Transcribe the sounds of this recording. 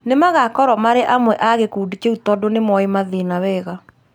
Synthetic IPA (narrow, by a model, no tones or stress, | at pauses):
nemaɣakɔɾɔmaɾeʔamwɛʔaɣekuːdit͡ʃeutɔdonemwɔemaðinawɛːɣa